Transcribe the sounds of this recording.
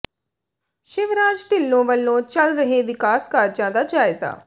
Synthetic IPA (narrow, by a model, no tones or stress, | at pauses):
ʃɪʋɾaːd͡ʒʈɪlːõːʋəlːõːt͡ʃəlɾəɦeːʋɪkaːskaːɾd͡ʒãːd̪aːd͡ʒaːɪza̰ː